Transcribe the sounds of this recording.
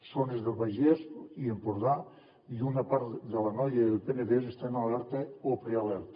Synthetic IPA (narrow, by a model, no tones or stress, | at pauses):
sonezðelβajʒeziempoɾða | iunapaɾt̪ðelanɔjeðelpeneðesest̪analaɾt̪eopɾealeɾt̪